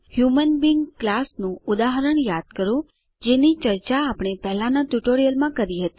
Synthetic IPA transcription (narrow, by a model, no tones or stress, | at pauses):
hjumənbiŋɡklasnũʊd̪aɦəɾəɳjad̪̚kəɾũ | d͡ʒenit͡ʃəɾt͡ʃaːpɳ̃epɛɦlãnaʈuʈoɾijəlmãkəɾiɦət̪i̥